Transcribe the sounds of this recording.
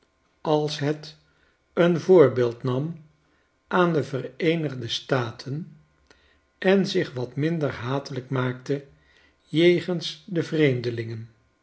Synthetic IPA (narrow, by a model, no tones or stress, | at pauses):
ɑlˠsɦɛt | ənvʊːɹbeːlˠtnɑm | ʔaːndəvərejnəχdəstaːtʰən | ɛnzɪχʋɑtmɪndəɹɦaːtələkmaːktə | jejχənsdəvrejmdəlɪŋən